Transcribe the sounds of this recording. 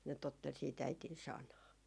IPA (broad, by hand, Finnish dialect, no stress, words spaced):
ne totːel siːt æitin sɑnɑː